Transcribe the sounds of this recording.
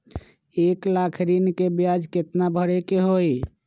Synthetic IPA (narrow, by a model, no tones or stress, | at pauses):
eklakʰɾinkebjad͡ʒket̪nabʱəɾekeɦoj